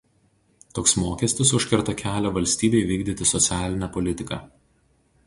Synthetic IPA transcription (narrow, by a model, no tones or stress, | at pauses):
t̪oːksmoːkʲɛsʲt̪ʲɪsʊʃʲkʲɪɾt̪ɐkʲæːlʲoːʋɐlʲsʲt̪ʲiːbʲɛɪʋʲiːɡd̪ʲɪt̪ʲɪsɔt̪sʲæːlʲɪnʲɛpɔlʲɪt̪ʲɪkɑ̰